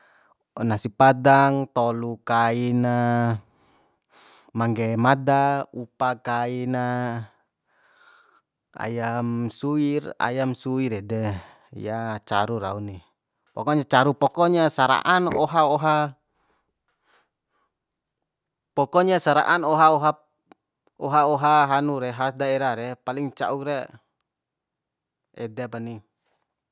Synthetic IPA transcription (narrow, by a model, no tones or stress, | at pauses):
nasipadaŋt̪ɔlukaina | maŋɡɛmadaupakaina | a̰jamsuira̰jamsuiɾɛdɛ | jat͡ʃa̰ɾuɾa̰uni | pɔkɔɲat͡ʃaɾupɔkɔɲasaɾa̰ʔanɔɦaɔɦa | pɔkɔɲasaɾa̰ʔanɔɦaɔɦa | ɔɦaɔɦaɦanuɾɛɦasdaɛɾaɾɛpaliŋt͡ʃa̰uɾɛ | ɛ̰dɛpani